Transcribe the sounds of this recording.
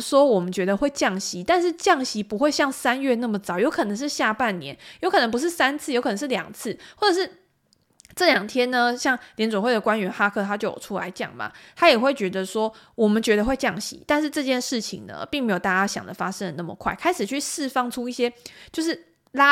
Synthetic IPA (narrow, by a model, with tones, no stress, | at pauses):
swɔ˥wɔ˨˩mə˨˦nt͡ɕɥɛ˧˥d̪ə˧xwe˥˧ɪt͡ɕjɑ˥˩ŋɕi˧˥t̪a˥˧nʂ̬ɻ̩˥˧t͡ɕjɑ˥˩ŋɕi˧˥pu˧˦xwe˥˧ɪɕjɑ˥˩ŋsa˥nɥɛ˥˧na˥˩mə˨˩t͡sɑ˨˩˦ʊjo˧˥ʊkʰɤ˨˩nə˧˦ŋʂɻ̩˥˧ɕja˥˧pa˥˩nnjɛ̰˧˦njo˧˥ʊkʰɤ˨˩nə˧˥pu˧˦ʂ̬ɻ̩˥˩sa˥nt͡sʰɹ̩˥˩jo˧˥kʰn̩˧˦˥ʂɻ̩˥˩ljɑ̰˨˩ŋt͡s̩ʰ˥˩wɔ˥˩ʈ͡ʂɤ˨˩ʂɻ̩˥˩ | ʈ͡ʂɤ˥˩ljɑ˨˩ŋt̪ʰjɛ˥nnə˧ɕjɑ˥˩ŋljɛ˧˥nʈ͡ʂwɔ˨˩ŋxwe˥˩ɪdə˩kwa˦˥nɥɛ˧˦˥nxa˥kʰɤ˥˩t̪ʰa˥t͡ɕjo˥˩ʊjo̰˨˩ʈ͡ʂʰu˥la̰˧˥ɪt͡ɕjɑ̰˨˩ŋma̰˨˩t̪ʰa˥jɛ˨˩xwe˥˩ɪt͡ɕɥɛ˧˥d̪ə˧swɔ˥wɔ˨˩mə˨˦nt͡ɕɥɛ˧˥d̪ə˧xwe˥˧ɪt͡ɕjɑ˥˩ŋɕḭ˧˦˥t̪a˥˧nʂɻ̩˥˧ʈ͡ʂɤ˥˧t͡ɕjɛ˥˧nʂɻ̩˥˩t͡ɕʰḭ˨˩ŋnə̰˩pi˥˩ŋme˧˥jo˨˩ʊt̪a˥˩t͡ɕja˥˩ɕjɑ̰˨ŋd̪ə̰˦fa˥ʂə˥nd̪ə˨˩na˥˩mə̰˩kʰwa˥˩ɪkʰa˥ɪʂɻ̩˨˩t͡ɕʰy˥˧sɻ̩˥˧fɑ˥˩ŋʈ͡ʂʰu˥i˥˩ɕjɛ˦˥t͡ɕjo˥˧ʊʂ̬ɻ̩˥˩ | la˦˥